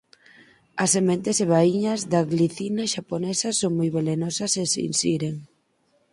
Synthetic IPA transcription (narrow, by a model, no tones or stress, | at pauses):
ɐsːemẽnt̪eseβ̞aiɲɐzðaɣliθinaʃaponɛsɐsːoŋmojβelenɔsɐsesḭnsiɾeŋ